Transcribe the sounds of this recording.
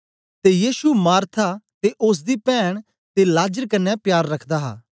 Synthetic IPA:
t̪ejiːsumaːɾt̪ʰat̪eʔʊs̬d̪iːpɛːɽ̃ | t̪elaːd͡ʒəɾkɐnːɛpjaːɾːɐkʰd̪aɦa̰ː

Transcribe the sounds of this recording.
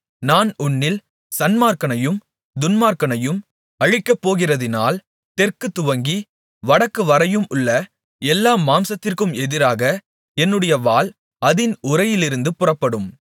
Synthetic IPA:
naːnʊnːɪl | sɐnmaːkɐnɐjɯm | d̪ʊnmaːɾkɐnɐjɯm | ɐɻɪkːɐpːoːɣɪrɐðɪna̰ːl | t̪ɛrkɯt̪ːʊʋɐŋɡi | ʋɐɽɐkːɯʋɐɾɐjɯmʔʊɭːɐ | ɛlːaːmaːmsɐt̪ːɪrkɯmɛðɪɾaːɣɐ | ɛnːɯɽɐjɐʋaːl | ɐðɪnʊɾɐjɪlɪɾɯnd̪ɯpʊrɐpːɐɽɯm

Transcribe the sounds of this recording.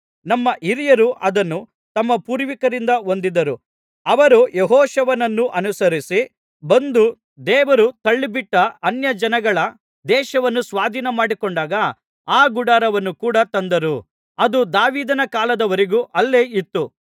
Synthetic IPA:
nɐmːɐʔiɾijɐɾuʔɐd̪ɐnːu | t̪ɐmːɐpuːɾʋikɐɾind̪ɐo̞nd̪id̪ɐɾu | ɐʋɐɾujeɦɔːʃɐʋɐnɐnːuʔɐnusɐɾisi | bɐnd̪u | d̪ɛːʋɐɾut̪ɐɭːibiʈːɐɐnjɐd͡ʒɐnɐɡɐɭɐ | d̪ɛːʃɐʋɐnːusʋaːd̪ʱinɐmaːɽikoɳɖaːɡɐ | aːɡuɽaːɾɐʋɐnːukuːɽɐt̪ɐnd̪ɐɾu | ɐd̪ud̪aːʋiːd̪ɐnɐkaːlɐd̪ɐʋɐɾiɡuːʔɐlːeːit̪ːu

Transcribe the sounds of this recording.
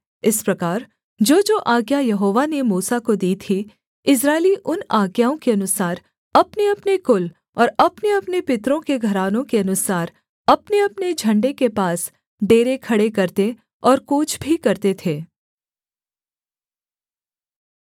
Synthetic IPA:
ɪspɾɐkaːɾ | d͡ʒoːd͡ʒoːʔaːɡjajɐɦoːʋanemuːsakod̪iːt̪ʰi | ɪs̬ɾaːɪliʔʊnaːɡjaːõkeɐnʊsaːɾ | ɐpneɐpnekʊl | ɔːɾɐpneɐpnepɪt̪ɾõkeɡʱɐɾaːnõkeɐnʊsaːɾ | ɐpneɐpned͡ʒʱɐ̃ɳɖekepaːs | ɖeːɾekʰɐɽekɐɾt̪e | ɔːɾkoːt͡ʃʰbʱikɐɾt̪et̪ʰeː

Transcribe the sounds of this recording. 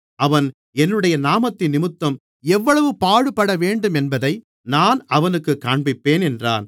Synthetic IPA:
ʔɐʋɐn | ɛnːɯɽɐjɐnaːmɐt̪ːɪnːɪmɯt̪ːɐm | ɛʋːɐɭɐʋɯpaːɻɯpːɐɽɐʋeːɳɖɯmɛnbɐðɐɪ | naːnɐʋɐnɯkːɯkːaːɳbɪpːeːnɛndra̰ːn

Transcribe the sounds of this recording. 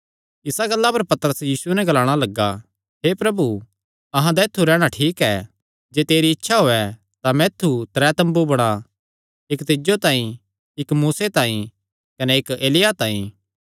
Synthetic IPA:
ɪsaɡɐlːapɐɾpɐt̪əɾəsjiːsuɛnɛ̃ɡɐlaːɽ̃alɐɡːa | ɦeːpɾɐbu | ɐɦãd̪aet̪ʰːuɾɛːɽ̃aʈʰiːkɛː | d͡ʒeːt̪eːɾiɪtːʃʰaɦoːɛ | t̪amɛːt̪ʰːut̪ɾɛːt̪ɐ̃mbubɐɽ̃a | ɪkt̪ɪd͡ʒot̪ãːĩ | ɪkmuːset̪ãːĩ | kɐnɛeːkeːlɪjat̪ãːĩː

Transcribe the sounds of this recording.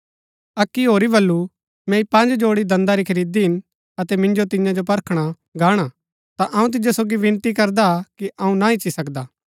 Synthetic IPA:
ɐkːiɦoːɾibɐlːu | mɛ̃ipɐ̃nd͡ʒd͡ʒoːɽid̪ɐ̃nd̪aɾikʰɐɾiːd̪iɦɪn | ɐt̪ɛmɪ̃nd͡ʒot̪ɪjãd͡ʒopɐɾkʰɽ̃a | ɡaːɽ̃a | t̪aʔɐũt̪̬ɪd͡ʒosoːɡiʋɪ̃nt̪ikɐɾd̪akiʔɐũnaɪt͡ʃːisɐkd̪aː

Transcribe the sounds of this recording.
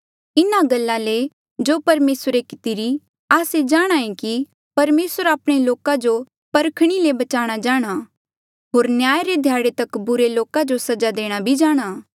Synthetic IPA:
ɪnaɡɐlːale | d͡ʒoːpɐɾmeːsɾekɪ̥t̪iɾi | aːsed͡ʒaːɽ̃aːẽki | pɐɾmeːsəɾaːpɽ̃eloːkad͡ʒo | pɐɾkʰɽ̃ilebɐt͡ʃaːɽ̃ad͡ʒaːɽ̃a | ɦoːɾnjaːjɾed̪ʱjaːɽet̪ɐkbʊɾeloːkad͡ʒosɐd͡ʒad̪eːɽ̃abʱid͡ʒaːɽ̃aː

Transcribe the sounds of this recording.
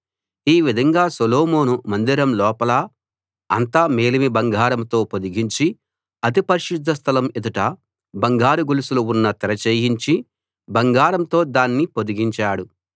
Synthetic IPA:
iːʋid̪ʱɐŋɡaːsoloːmoːnumɐnd̪iɾɐmlɔːpɐlɐ | ɐnt̪ameːlimibɐŋɡaːɾɐmt̪o̞ːpod̪iɡiɲt͡ʃi | ɐt̪ipɐɾiʃud̪ʱːɐst̪ʰɐlɐmid̪uʈɐ | bɐŋɡaːɾuɡulisuluunːɐt̪ɛɾɐt͡ʃeːjiɲt͡ʃi | bɐŋɡaːɾɐmt̪o̞ːd̪aːnːipo̞d̪iɡiɲt͡ʃaːɽu

